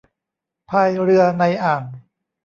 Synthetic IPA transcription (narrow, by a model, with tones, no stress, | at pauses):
pʰaː˧jɾɯ˧ɐna˧jʔaː˨˩n